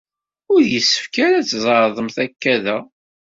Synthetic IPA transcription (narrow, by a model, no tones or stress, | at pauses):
ʊɾjəsːə̥fkaɾæt͡sːzˤəɾðˤəmθækːæðæ